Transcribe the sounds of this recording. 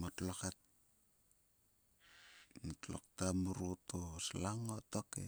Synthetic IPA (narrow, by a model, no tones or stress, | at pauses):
motlokat̚ | motlo̰k̚tamuɾutosalaŋotokḛ